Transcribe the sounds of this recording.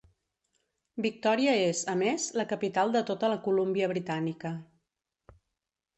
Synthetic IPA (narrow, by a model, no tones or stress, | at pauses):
bik̚t̪ɔɾiəezəmezləkəpit̪alˠd̪ət̪ot̪ələkulumbiəβ̞ɾit̪anikə